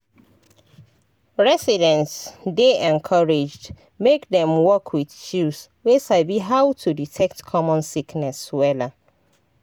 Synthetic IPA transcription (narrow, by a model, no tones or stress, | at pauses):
ɹɛsidɛ̃ntsdeʔɛ̃nkʰaɹed͡ʒd | mekðɛ̃mwɔkʰwiθt͡ʃuswesaɪbiɦawtʰuditʰɛk̚tkʰɔmɔ̃nsikʰnɛswɛlə